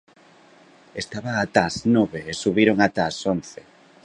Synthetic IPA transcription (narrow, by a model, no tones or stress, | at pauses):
est̪aβaːt̪asnoβeesuβiɾoŋat̪asonθe